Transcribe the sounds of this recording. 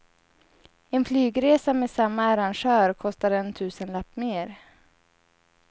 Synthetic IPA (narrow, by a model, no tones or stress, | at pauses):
ɛnflyːɡɾeːsamɛsamːaːɾanʂœːɾkʰɔst̪aɾɛnt̪ʰʉ̟ːsənlapːmeːɾ